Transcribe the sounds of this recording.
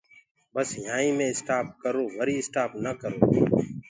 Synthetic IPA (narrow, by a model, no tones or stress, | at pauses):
bəsjãːĩːmẽːɪsʈaːp̚kəɾoːʋəɾiːɪsʈaːpnəkəɾo̰ː